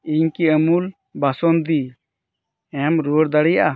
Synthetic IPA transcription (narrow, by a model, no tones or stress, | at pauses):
iɲkiəmul | basɔnd̪i | ɛmɾuɽd̪aɽɛjaʔa